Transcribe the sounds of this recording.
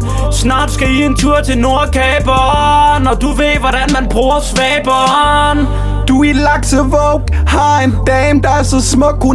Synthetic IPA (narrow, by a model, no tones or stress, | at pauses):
snɑ̈ːd̥sɡ̥æie̝nt͡sʰuɐ̰t͡sʰe̝lno̝ɐ̰kʰɛːb̥ɒnɒd̥uʋe̝ðʋɒɾ̥ænmænb̥ʁuːɐsʋɛːb̥ɒn | d̥uilɑɡ̥səʋɔʊɡ̥ | hɑ̈end̥ɛːmd̥ɑ̈æɐsɒ̽smɔ̽ɡ̥̚kʰːu